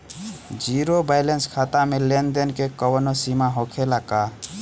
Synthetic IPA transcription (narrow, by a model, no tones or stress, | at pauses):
d͡ʒiɾobajlenskʰat̪amelend̪enkekəwnosimaɦokʰelaka